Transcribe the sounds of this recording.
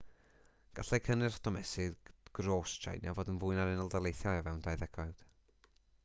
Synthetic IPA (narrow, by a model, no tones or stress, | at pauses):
ɡ̥aɬɛkʰənɨrd̥ɔmɛsɪðɡ̥roːstʰa̰jnja̰voːdənvʊːɨnaɾɪnəlˠdalˠejθjɔavɛwndajðɛɡɔjd̥